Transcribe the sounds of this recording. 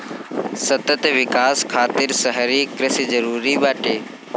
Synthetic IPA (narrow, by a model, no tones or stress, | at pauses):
sət̪ət̪ʋɪkaːskʰaːt̪ɪɾsəɦɾikɾɪsizəɾuːɾibaːʈeː